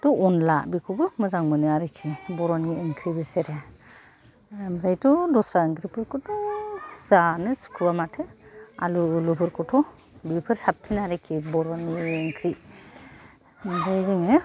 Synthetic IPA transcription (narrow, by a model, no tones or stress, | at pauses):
tɔɔnlabikʰubɯmɯzaŋmɯnɯaɾɯkʰːibɔɾɔnieŋkʰɾibeseɾe | mɾajtɔdɔsaeŋkʰɾipʰɯɾkɔtʰɔzanɯsu̥kʰɾuwamatʰɯa̰lulupʰɯɾkʰɔtʰɔ | bipʰɯɾsap̚tʰinaɾekʰibɔɾɔnieŋkʰɾi | mɾajzɯŋe